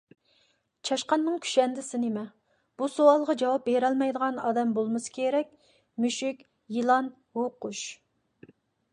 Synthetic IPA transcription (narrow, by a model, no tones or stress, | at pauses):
t͡ʃʰɑʃqɑnːɨŋkʲʰy̥ʃɛnd̪ɪsɪnɪmɛ | b̥usoɑlˠʁɑd͡ʒɑwɑp̚beɾɛlmɛjd̪əʁɑnɑd̪ɛmbolˠmɨsɨ̥kʲʰeɾɛkʲ | myʃykʲ | jilˠɑn | woqʊʃ